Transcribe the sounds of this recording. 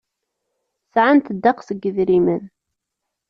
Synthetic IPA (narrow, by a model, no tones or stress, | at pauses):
sʕant̪əd̪ːaqsəɡːəðɾimən